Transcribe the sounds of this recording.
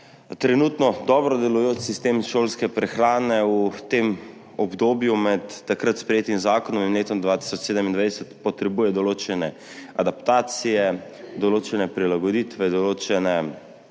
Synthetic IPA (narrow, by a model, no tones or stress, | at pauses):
t̪ɾɛnuːt̪nɔd̪ɔbɾɔd̪ɛlujoːt͡ʃsist̪emʃoːlskɛpɾɛxɾaːnɛut̪em | ɔbd̪oːbjumɛt̪ːakɾat̪spɾɛjeːt̪imzaːkɔnɔmimleːt̪ɔmd̪ʋaːt̪i̥sɔt͡ʃseːd̪əmind̪ʋajd̪ɛsɛt̪pɔt̪ɾɛbujɛd̪ɔloːt͡ʃɛnɛ | ad̪apt̪aːt̪sijɛ | d̪ɔloːt͡ʃɛnɛpɾilaɡɔd̪iːt̪ʋɛd̪ɔloːt͡ʃɛnɛ